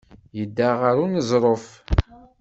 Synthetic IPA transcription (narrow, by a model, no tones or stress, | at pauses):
jəd̪ːaʁəɾunəzˤɾˤof